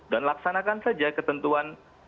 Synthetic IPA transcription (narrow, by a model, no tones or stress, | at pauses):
danlaksanakansad͡ʒakət̪ənt̪uan